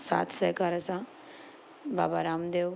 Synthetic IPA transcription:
sa̰ːt̪ʰsəjkaːɾəsã | ba̰ːbaɾaːmd̪eːʋ

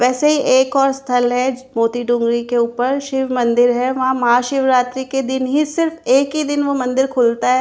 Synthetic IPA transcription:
ʋɛːseɦiʔeːkɔːɾst̪ʰəlɦɛmoːt̪iɖʊ̃ŋɡɾikeʊːpəɾʃɪʋmɐ̃nd̪ɪɾɦɛʋɐɦãmɐaːʃɪʋɾaːt̪ɾiked̪ɪnɦisɪɾfeːkɦid̪ɪnʋomɐ̃nd̪ɪɾkʰʊlt̪aɦɛː

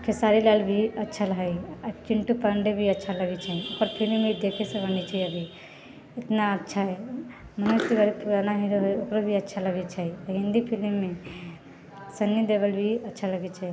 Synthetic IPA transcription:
kʰesaɾilalbʱiətːʃʰaləɦəjt͡ʃiɳʈupəɳɖebʱiətːt͡ʃʰaləɡɛt͡ʃʰɛiokəɾpʰilmːeid̪ekʰesẽbənet͡ʃʰaiəbʱi | ɪt̪naətːʃʰaɦɛ | mənost̪ibəɾepuɾanaɦĩɾuɦojokɾobʱiətːt͡ʃʰaləɡɛt͡ʃʰəiɦĩnd̪ipʰilmːe | sənːid̪ebəlbʱiətːʃʰaləɡɛt͡ʃʰɛ

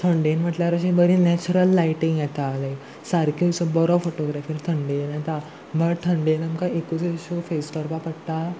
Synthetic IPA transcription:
t̪ʰəɳɖenm̤əʈlaɾəɕibəɾinɛt͡ɕuɾəlːaiʈĩŋɡjɛt̪alə | saɾkʰisɔbɔɾɔfoʈoɡɾafiːɾt̪ʰəɳɖenat̪a | bʱəɽt̪ʰəɳɖenamkaekut͡seɕufeskəɾpapəɽt̪a

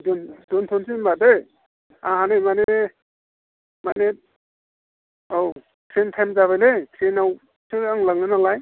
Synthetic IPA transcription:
dɔndɔntʰɔnsinbade | aɦanemanee | mane | ow | kʰɾentʰajmzaβajlekʰɾenaw | sʰɯaŋlaŋnɯnalaj

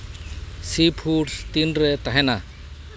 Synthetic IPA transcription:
sipʰuʈst̪inɾet̪aɦɛna

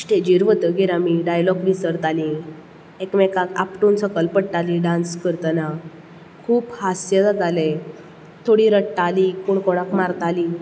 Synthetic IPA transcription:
sʈed͡ʑiɾʋət̪əɡeɾamiɖajlɔɡʋisəɾt̪alĩ | ekmɛkaka̰pʈunsəkəlpəʈʈalĩɖãnskəɾt̪əna | kʰuːphasjəd͡z̪ad͡z̪ale | t̪ʰoɽiɾəʈːalikoɳkoɽ̃akmaɾt̪ali

